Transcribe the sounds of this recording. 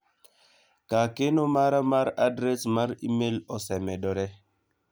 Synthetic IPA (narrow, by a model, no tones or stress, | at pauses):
kakenomaɾamaɾadɾesmaɾimelɔsɛmɛɗɔɾɛ